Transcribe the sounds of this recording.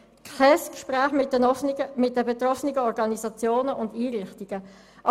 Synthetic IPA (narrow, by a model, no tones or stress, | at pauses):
kʰɛskʃpʁæːχmɪ | mɪt̚d̥əbet̪ɾɔfniɡəɔɾɡɑnisɑt͡sjoːnəʔʊndiːɾɪχtiɡ̥ə | ʔ